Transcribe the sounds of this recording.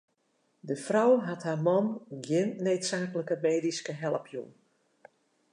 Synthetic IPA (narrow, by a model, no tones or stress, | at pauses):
dəfrɔwɦatɦaːmɔnɡjɪnːeːtsaːkələkəmeːdiskəɦɛlˠəpjṵn